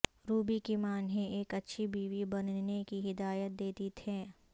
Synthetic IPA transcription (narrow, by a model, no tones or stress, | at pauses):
ɾuːbikimaːnɦẽeːkɐtːʃʰibiːʋibɐnnekiɦɪd̪aːjət̪̚d̪eːt̪it̪ʰeː